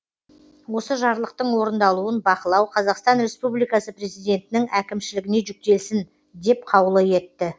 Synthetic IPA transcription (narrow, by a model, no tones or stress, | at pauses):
wo̞səʒɑɾlˠəq̚t̪əɴwo̞ɾənd̪ɑlˠuənbɑqəlˠɑwqʰɑzɑqst̪ɑnɾe̞spublijkɑsəpre̞zijd̪ʲe̞nt̪ɪnɪŋækʲɪmʃɪlɪɡʲɪne̞ʒʏk̚t̪e̞lsɪn | d̪e̞p̚qʰɑwəlˠəje̞t̪ːɪ